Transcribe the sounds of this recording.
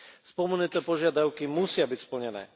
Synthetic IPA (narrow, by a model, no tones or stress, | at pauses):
spɔmunit̪ɛːpɔʒɪad̪aʊkimusɪabicspl̩ɲɛnɛ̰ː